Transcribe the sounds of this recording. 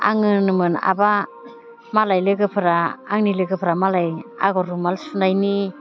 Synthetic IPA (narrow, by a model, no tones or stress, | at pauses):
a̰ŋɯnɯmɯna̰ba | malajlɯɡɯpʰɯɾaaŋnilɯɡɯpʰɾamalaja̰ɡɔɾumalsunajni